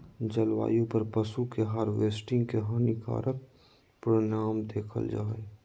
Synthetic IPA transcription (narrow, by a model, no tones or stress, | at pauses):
d͡ʒəlʋa̰ːjõpəɾpəsukeɦaːɾʋeːsʈɪ̃ŋɡkeɦənɪka̰ːɾʔək̚ | pɾonaːmd̪eːkʰə̰ld͡ʒa̰ːe